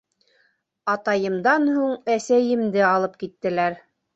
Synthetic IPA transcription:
ɑt̪ɑjɤ̆md̪ɑnhuŋæsæjɘ̆md̪ɘɑlˠɤp̚kit̪ːɘ̆læɾ

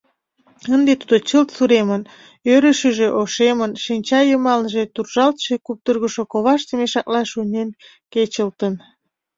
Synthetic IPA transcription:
ənd̪et̪ud̪ot͡ɕəlt̪suɾemən | øɾəʃəʒeʔoʃemənʃinʲt͡ɕɑjəmɑlnʒet̪urʒɑlt̪ʃekup̚t̪ərɣəʃokoβɑʃt̪əmeʃɑk̚lɑʃunʲen | ket͡ɕəlt̪ən

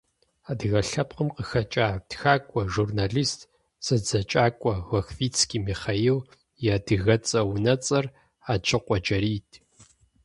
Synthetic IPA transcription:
aːdɨɣɐɬɐpqəmqəxɐt͡ʃʼaːtxaːkʷʼɔʒurnaːɮiːstʰʼ | sɐd͡zɐt͡ʃʼaːkʷʼɔwɐxfiːt͡sʰkʲiːmiːχɐjɪw | jaːdɨɣɐt͡sʼɐwnɐt͡sʼɐr | aːt͡ʃʰɨqʷʼɔd͡ʒɐɾiːtʰ

